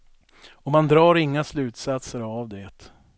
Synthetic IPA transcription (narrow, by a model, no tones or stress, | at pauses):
ɔmand̪ɾɑːɾɪŋːaslʉ̟ːt̪sat̪səɾavd̪ɛːt̪